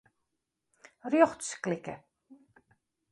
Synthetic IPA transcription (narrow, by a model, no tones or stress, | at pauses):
rjɔχtsklɪkə̰